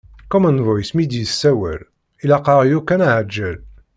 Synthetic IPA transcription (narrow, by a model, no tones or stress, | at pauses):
kɔmə̃nvɔjsmid̪isæwæ̰l | ilaqɑʁjukænaʕəd͡ʒːæl